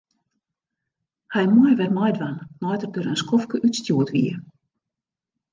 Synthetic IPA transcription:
hɛjmɔjʋɛrmɔjdʋannɔjtərdøɾənskʰɔfkəʔytstjuətʋḭə

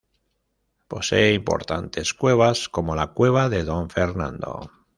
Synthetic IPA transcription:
po̞se̞ːimpo̞̰ɾt̪ant̪e̞skwe̞β̞asko̞mo̞lakwe̞β̞aðe̞ðo̞ɱfeɾnã̰nd̪o̞̰

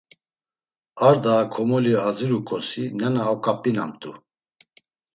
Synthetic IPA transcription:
aɾd̪aːkʰɔmɔliaziɾukʼɔsinɛnaːkʼapʼina̰mt̪ʼu

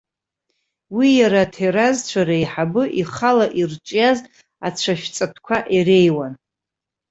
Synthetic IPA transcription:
wijaɾatʰeɾazt͡ɕʷʰaɾaiħabɨʔiχalaʔirt͡ʃʷʼjaz | at͡ɕʷʰaʃᶣt͡sʼapʰkʷʰaʔirejwan

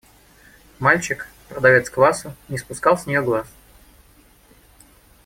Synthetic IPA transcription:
malʲt͡ɕɪkpɾəd̪ɐvʲet̪skvasʊnʲɪspʊskɑlˠsʲnʲɪjoɡlˠas

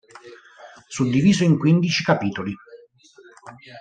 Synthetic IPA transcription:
sud̪ːiviːzoiŋkwind̪it͡ʃikapiːt̪oli

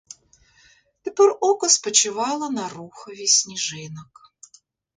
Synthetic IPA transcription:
t̪ʲɪporokəspət͡ɕɪvɑlˠənɐɾuxəvʲɪsʲnʲɪʐɛnək

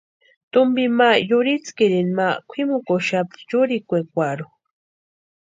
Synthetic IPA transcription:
t̪ʊmbimajʊɾit͡skiɾinmakʷʰimukoʃapjʊɾikʷekʷaɾu

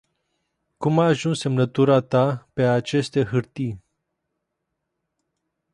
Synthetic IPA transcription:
kumaːʒunsemnət̪uɾat̪apeat͡ʃe̞st̪eɦɨɾt̪i

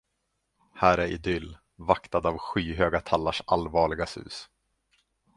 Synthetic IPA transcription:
hæːɾæɾɪd̪ʏlː | vakt̪ad̪avɧiːɦøːɡat̪ʰalːaʂalvɑːɭɪɡasʉ̟̰ːs

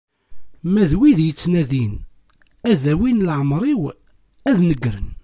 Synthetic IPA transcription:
mæðwiðjət͡sːnæðin | æðæwinlʕəmɾˤiw | æðnəɡːɾən

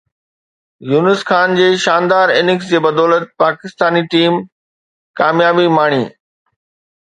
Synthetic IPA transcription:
juːnɪsxaːnd͡ʑeːʃaːnd̪aːɾɪnɪks̬d͡ʑeːbɐd̪ɔːlət̪̚paːkɪst̪aːniʈiːm | kaːmjaːbimaːɽ̃ḭː

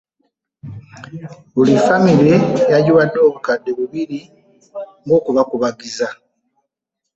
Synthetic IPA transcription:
βulifamiɾejaɟuβadːo̞ːβukadːeβuβiɾi | ŋɡo̞ːkuβakuβaɡiza

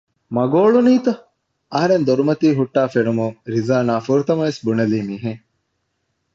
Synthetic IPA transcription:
mɐɡoːɭuniːt̪ɐ | ɐɦɐɾend̪oɾumɐt̪iːɦuʈːaːfenumuɾizaːnaːfuɾut̪ɐmɐʋesbunɐliːmiːɦeŋ

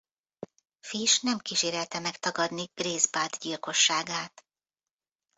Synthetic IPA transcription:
fiʃnɛmkiːʃeːɾɛlt̪ɛmɛkt̪ɒɡɒd̪niɡ̥reːzbaːd̪ɟilko̞ʃːaːɡaːt̪

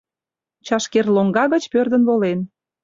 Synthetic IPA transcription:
t͡ɕɑʃkerloŋɡɑɣə̆t͡ɕpørd̪ə̆nβolen

